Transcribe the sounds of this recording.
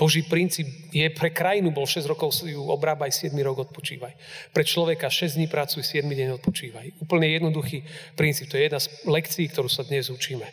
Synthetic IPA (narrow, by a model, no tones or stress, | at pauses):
b̥ɔʒipɾint͡siːp | jɛpɾɛkɾajinubɔlʃɛzɾɔkɔʊsjuɔbɾaːbajsɪɛd̪miɾɔɡɔt̪̚pɔt͡ʃḭːʋajpɾɛt͡ʃlɔʋɛkaʃɛzd̪ɲipɾat͡sujsɪɛd̪miɟɛɲɔt̪̚pɔt͡ʃiːʋajuːpl̩ɲɛjɛd̪nɔd̪uxipɾint͡siːp̚t̪ɔjɛjɛd̪naslɛkt͡siːkt̪ɔɾuːsad̪ɲɛzut͡ʃiːmɛ